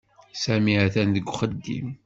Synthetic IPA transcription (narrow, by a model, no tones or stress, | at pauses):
sæmiʕæθænðəɡʷːχəd̪ːḭm